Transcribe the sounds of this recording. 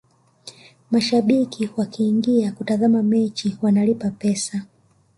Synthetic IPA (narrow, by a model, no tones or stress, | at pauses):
maʃaɓikʰiwakiːŋɡiakutaðamamɛt͡ʃiwanalipapɛsa